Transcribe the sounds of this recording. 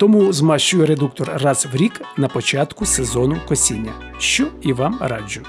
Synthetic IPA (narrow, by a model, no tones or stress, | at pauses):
t̪ɔmuzmɑʃt͡ʃʊjɛɾed̪uk̚t̪ɔrːɑzwɾʲiknɐpɔt͡ʃɑt̪kʊsezɔnʊkɔsʲinʲːɐ̰ | ʃt͡ʃɔiʋɑmɾɑ̰d͡ʒʲʊ